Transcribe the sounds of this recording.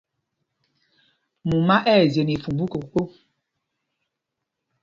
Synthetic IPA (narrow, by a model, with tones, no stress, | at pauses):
mu˨ma˦ʔɛː˦˨ze˨ni˨fu˨bu˦ko˨k͡po˦